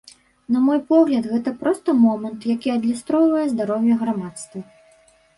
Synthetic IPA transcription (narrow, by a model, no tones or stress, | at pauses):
nɐmɔjpɔɣlʲɐd̪ɣɛt̪ɐpɾɔst̪ɐmɔmɐnt̪jakʲiɐd̪ʲlʲist̪ɾɔwvɐjɛzd̪aɾɔwjɐɣɾamat̪st̪vɐ